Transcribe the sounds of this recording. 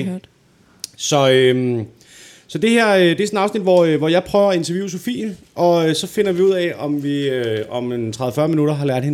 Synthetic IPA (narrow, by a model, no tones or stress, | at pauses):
sɒ̽øm | sɒ̽d̥e̝hæɐ̰ød̥e̝æsnɑ̈ʊsnid̥ʋɒøʋɒjɑ̈ɪpʰʁœːʊɐe̝nt͡sʰɛɐʋjuːso̝fḭːnʔɒ̽øsɒ̽fe̝nɐʋiuð̰ˠɛɒ̽mʋiøɒ̽met͡sʰʁɑðˠəfɶɐminuɾɐɦɑ̈læɐ̰d̥hen